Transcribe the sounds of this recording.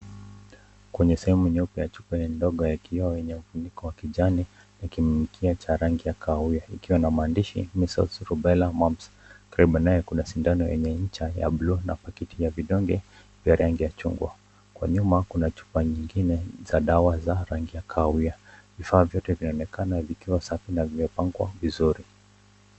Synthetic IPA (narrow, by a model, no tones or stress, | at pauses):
kwɛɲɛsɛhɛmuɛɲɛɔpjajat͡ʃupajɛndɔɠɔjakʰiwawɛɲɛufundikɔwakiʄani | nakimmikʰiat͡ʃaɾaŋɡijakʰaiaikiwanamaːndiʃḭmisɔ̰lsɾuɓɛlamams | kaɾiɓanːajɛkunaʃindanɔjɛ̰ɲɛɲ̩t͡ʃaja̰blunapakitʰijaviɗɔŋɡɛ | vjaɾaŋɡijat͡ʃṵŋɡwa̰ | kwa̰ɲumakunat͡ʃu̥paɲiŋɡinɛzaɗawazaɾaŋɡijakʰaiavifaːvjɔtɛvinaɔnɛkanavikiwasafinavjɔpaŋɡwa̰vizuɾi